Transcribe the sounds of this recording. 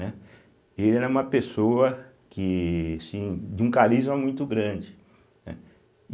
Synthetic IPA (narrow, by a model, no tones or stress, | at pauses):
ɛ | elɪɛɾɛũmɐpesowɐ | kɪasĩd͡ʒɪũkaɾizmɐmũj̃t̪ʊɡɾɐ̃d͡ʒɪ | nɛ̰